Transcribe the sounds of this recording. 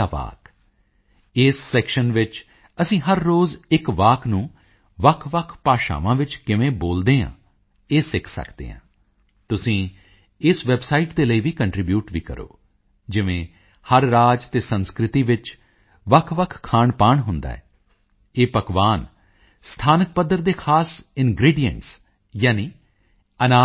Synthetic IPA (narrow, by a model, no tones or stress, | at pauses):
aːʋa̰ːk | ɪsːɛːkʃənʋɪt͡ʃ | əsĩːɦəɾːoːzɪkʋaːkʰnũː | ʋəkʰʋəkʰpaːʃa̰ːʋãːʋɪt͡ʃkɪʋẽːboːld̪eːã̰ː | eːsɪkʰsə̰kd̪ḛːɦã̰ː | t̪ʊsĩː | ɪsʋɛbsaːiːʈd̪eːləiːʋiːkəɳʈɾɪbjuːʈʋiːkə̰ɾo̰ː | d͡ʒɪʋẽː | həɾːaːd͡ʒt̪eːsənskɾɪt̪iːʋɪt͡ʃ | ʋəkʰʋəkʰkʰːaːɳpaːɳɦʊnd̪a̰ːɛ̰ː | eːpəkʋaːn | st̪ʰaːnək̚pəd̪ːəɾd̪eːkʰaːsɪnɡɾiːɖijə̰ɳʈs | jaːniː | ənaː